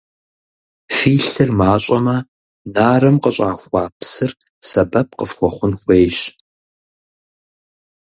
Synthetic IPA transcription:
fiːɬɨrmaːɕʼɐmɐ | naːrɐmqəɕʼaːxʷɑːpsɨr | sɐbɐp̚qəfχʷɔχʷʊnxʷeːjɕ

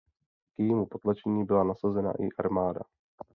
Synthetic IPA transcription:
kjɛjiːmupo̞t̪lat͡ʃɛɲiːbɪlanasazɛna̰ʔɪ̰ʔaɾmaːda̰

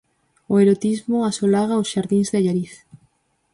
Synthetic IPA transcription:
ʊeɾot̪izmʊasolaɣaosʃaɾðĩŋzðɪʎaɾiθ

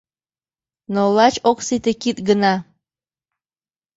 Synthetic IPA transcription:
nolɑt͡ɕoksit̪ekit̪̚ɡənɑ

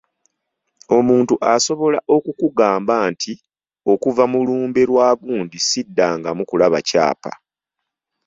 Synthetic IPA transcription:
o̞muːntuʔaso̞βo̞laʔo̞kukuɡaːmbaːntʰi | o̞kuvamuluːmbe̞ɾwaːɡuːndisidːaːŋɡamukulaβa̰ca̰ːpa̰

